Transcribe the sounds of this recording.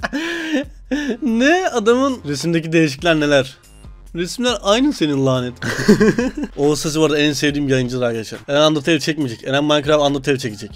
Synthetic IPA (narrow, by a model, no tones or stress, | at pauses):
nɛad̪amɯnɾesimd̪ec̬id̪ejiʃ̬i̥clʲæɾne̞lʲæɾ̥ | ɾesmlʲæɾajnɯnse̞ninlˠaːnɛt̪ | osas̬ɯvaɾd̪aænsevd̪iːmbjajɯnd͡ʒɯlˠaɾaɾkaaʃa̰nɛnand̪ɾt̪ʰelʲt͡ʃʰɛc̚mid͡ʒɛcenænmajakʰɯɾavand̪ɯɾt̪ʰevʲt͡ʃʰecid͡ʒɛc